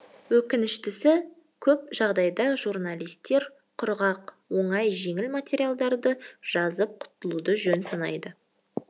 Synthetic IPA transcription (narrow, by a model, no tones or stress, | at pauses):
wɵkʲɪnɪʃt̪ɪsɪ | kʲʰɵp̚ʒɑʁd̪ɑjd̪ɑʒurnalˠijst̪e̞ɾ | qʰʊɾʁɑqwo̞ɴɑjʒe̞ŋɪlmat̪ʲeɾijalˠd̪ɑɾd̪əʒ̥ɑzəp̚qʰʊ̥t̪əlˠud̪əʒɵnsɑnɑ̰jd̪ə